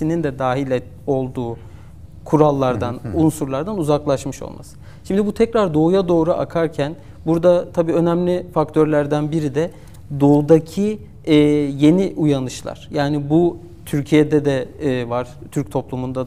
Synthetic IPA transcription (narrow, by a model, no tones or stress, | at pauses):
inind̪ɛd̪aːɦilʲɛ | o̞lˠd̪uː | kʰuɾalˠːaɾd̪anunsuɾlˠaɾd̪anuzaklˠaʃmɯʃo̞̰lˠma̰sɯ̥ | ʃimd̪ibut̪ʰɛcɾaɾd̪o̞ujad̪o̞ːɾuʔa̰kʰaɾcʰæn | buɾd̪at̪ʰabiːø̞næmlʲifakt̪ʰø̞ɾlʲæɾd̪ænbiɾid̪ɛ | d̪o̞ud̪acʰiː | je̞niʔujanɯʃlˠa̰ɾ̥jaːnibu | t̪ʰyɾcʰijed̪ɛd̪ɛvaɾ̥t̪ʰyɾc̚t̪ʰo̞plˠumund̪a